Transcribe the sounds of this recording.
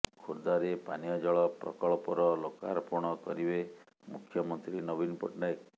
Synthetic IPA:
kʰuɾd̪aɾepanijɔd͡ʒɔɭɔpɾɔ̰kɔɭɔpɔɾɔloka̰ɾɔpuɾɳ̃ɔkɔɾibe | mukʰjɔmɔnt̪ɾinɔbinpɔ̰ʈnaek

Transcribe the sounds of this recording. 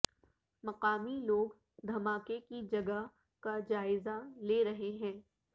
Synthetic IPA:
mɐqaːmiloːɡ | d̪ʱɐmaːkekid͡ʒɐɡa | kad͡ʒaːɪzaleːɾɐɦeɦɛ̃ː

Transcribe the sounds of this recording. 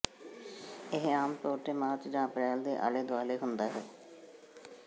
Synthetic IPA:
ɪɦaːmt̪oːʈeːmaːɾt͡ʃd͡ʒãːəpɾɛːld̪ḛːʔa̰ːleːd̪ʊaːleːɦʊnd̪aːɦɛː

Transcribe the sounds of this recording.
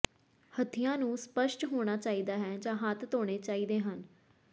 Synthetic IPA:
hət̪ʰːɪjãːnũːspəʃʈɦoːɽ̃aːt͡ʃaːiːd̪aːɦɛːd͡ʒãːɦaːt̪ʰt̪oːɽ̃eːt͡ʃaːiːd̪eːɦən

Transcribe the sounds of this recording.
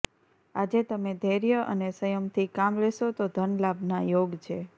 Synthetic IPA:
ad͡ʒet̪əmed̪ʱeɾjəʔə̰nesəjəmt̪ʰikamleʃot̪od̪ʱənlabnajoɡt͡ʃʰe

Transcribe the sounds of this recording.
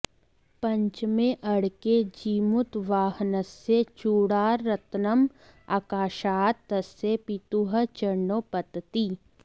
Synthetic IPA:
pɐ̃ɲt͡ʃmẽʔɐɽked͡ʒiːmʊt̪ʋaːɦnəset͡ʃuːɽaːɾːɐt̪nəm | a̰ːkaːʃaːtt̪ːɐsepit̪uɦət͡ʃəɾɳoːpɐt̪t̪iː

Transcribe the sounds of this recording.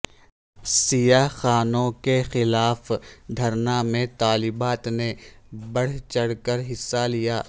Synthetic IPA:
sijaxaːnõkexɪlaːfd̪ʱɐɾnamẽt̪aːlɪbaːt̪nebɐɽ̤t͡ʃɐɽkəɾɦɪsːalijaː

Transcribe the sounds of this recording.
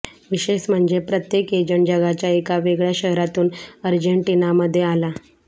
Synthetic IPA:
ʋiɕeɕm̤əɳd͡ʑepɾət̪jeked͡ʑəɳd͡ʑəɡat͡ɕjaekaʋeɡɭjaɕəɦɾat̪uːnəɾd͡ʑəɳʈinaməd̪ʱːjeala

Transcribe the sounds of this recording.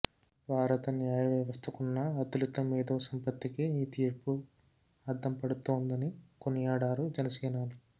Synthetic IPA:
bʱaːɾɐt̪ɐnjaːjɐʋjɐʋɐst̪ʰɐkunːɐɐt̪ulit̪ːɐmiːd̪oːsɐmpɐt̪ːikiiːt̪iːɾpu | ɐɾd̪ʰʱɐmpɐɽut̪oːnd̪ɐnikonijaːɽaːɾud͡ʒɛnɐsɛːnaːni

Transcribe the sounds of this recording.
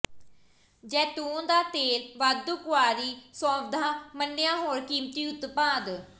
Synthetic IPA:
d͡ʒɛːt̪uːnd̪aːt̪eːlʋaːd̪ːukʊaːɾiːsaːbd̪ʱãːmənːɪjãːɦoːɾkiːmt̪iːʊt̪pãːd̪

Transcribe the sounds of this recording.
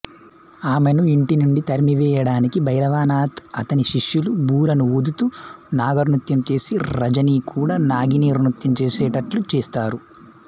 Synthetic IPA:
aːmenuiɳʈinuɳɖit̪ɐɾimiʋɛːjɐɽaːnikibʱɐjɾɐʋaːnaːt̪ʰɐt̪ɐniʃiʂjulubuːɾɐnuud̪ut̪unaːɡɐɾnut̪jɐmt͡ʃe̞ːsiɾɐd͡ʒɐniːkuːɽaːnaːɡiniːɾnut̪jɐmt͡ʃeːsɛːʈɐʈlut͡ʃeːst̪aːɾu

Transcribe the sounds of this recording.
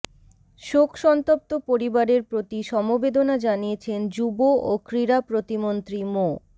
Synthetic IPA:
ʃokʰʃɔnt̪op̚t̪opoɾibaɾeɾpɾot̪iʃɔmobed̪onad͡ʑaniet͡ɕʰend͡ʑuboʔokɾiɾapɾot̪imont̪ɾimo

